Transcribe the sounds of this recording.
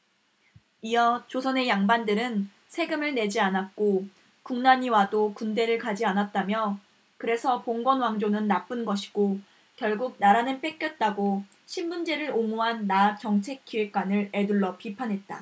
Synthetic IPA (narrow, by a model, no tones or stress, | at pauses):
ijʌt͡ɕosʰʌne̞jaŋbandɯɾɯn | sʰe̞ɡɯmɯɭne̞d͡ʑianat̚k͈o | kuŋnaɲiwadokunde̞ɾɯɭkad͡ʑianat̚t͈amjʌ | kɯɾe̞sʰʌpoŋɡwʌnwaŋd͡ʑonɯnːap͈ɯnɡʌɕʰi̥ɡ̥o | kjʌɭɡuk̚naɾanɯnp͈e̞k͈jʌt̚t͈aɡo | ɕʰinmund͡ʑe̞ɾɯɾoŋuɦanːat͡ɕʌŋt͡ɕʰe̞kʰːiek͈wanɯɾe̞duɭːʌpipʰanɦe̞t̚t͈a̰